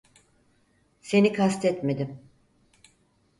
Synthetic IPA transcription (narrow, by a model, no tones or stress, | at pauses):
se̞nikʰast̪ʰɛt̪me̞d̪im